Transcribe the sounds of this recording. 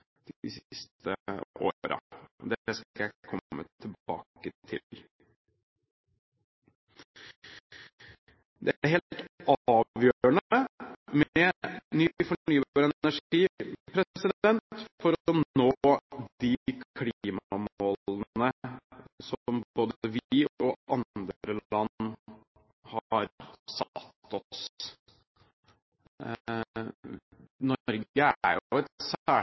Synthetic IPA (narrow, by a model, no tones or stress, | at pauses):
d̪̥ɪsst̪ə̰o̰ːɾɑ̰d̪ɛskæɪkʰɔːə̰t̪ʰɪlb̥ɑ̰ːkət̪ʰɪ̰l | d̪ɛɾɦeːlt̪ɑːʋjøːɾəɳəmɛnyfɔɳyːbɑɾɛæʂiːpʰɾɛsɪd̪ɛnt̪fɔɾnod̪ɪkkʰliːmmoːln̩ə | sɔmboːd̪əʋɪɔʔɑnd̪ɾəlɑn | hɑɾsɑt̪ːɔs | nɔɾɡəæ̰jʊɛt̪sæː